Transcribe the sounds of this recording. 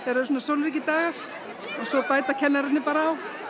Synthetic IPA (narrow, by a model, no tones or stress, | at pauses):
θaɾœɾs̬uːnːasowlɾiːc̬ɪt̪aːɣḁ | ɔsɔpaːjt̪acʰɛnːaɾat̪nɪpaːɾaːw